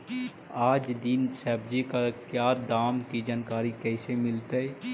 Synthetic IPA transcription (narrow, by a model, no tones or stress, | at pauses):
aːd͡ʒd̪ɪnsɛːbd͡ʒikakjaːd̪aːmkid͡ʒaːnkaːɾikɛːsemɪlt̪aɛ